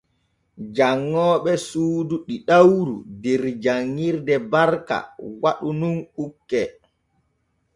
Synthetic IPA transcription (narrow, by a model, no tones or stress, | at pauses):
d͡ʒaŋːɔːɓɛsuːduɗiɗawɾṵdɛɾd͡ʒaŋːiɾdɛbaɾka̰waɗununukːɛ